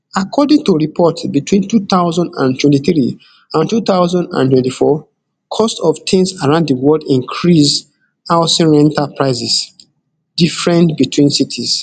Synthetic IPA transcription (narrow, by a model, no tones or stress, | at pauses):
akʰɔdĩŋtuɹipʰɔtbitʰwĩntut̪aʊzɔ̃ndã̰ntwɛ̃ntiθɹi | ãntutaʊzãndã̰ntwɛ̃ntifɔ | kʰɔstɔftʰẽnsaɹãʊ̃nddəwɔldĩŋkʰɹis | awsĩɹɛ̃ntapɹaɪsɛs | d̥ifɹɛ̃ntbitʰwĩnsitʰis